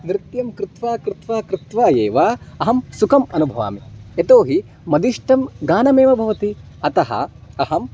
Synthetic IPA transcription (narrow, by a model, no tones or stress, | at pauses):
nɾɪt̪jɐmkɾɪt̪ʋaːkɾɪt̪ʋaːkɾɪt̪ʋaːjeːʋaːɐɦɐmsukɐmɐnubʱɐʋa̰ːmiet̪oːɦi | mɐd̪iʂʈɐmɡaːnɐmeːʋɐbʱɐʋɐt̪i | ɐt̪ɐɦɐ̰ɐɦɐm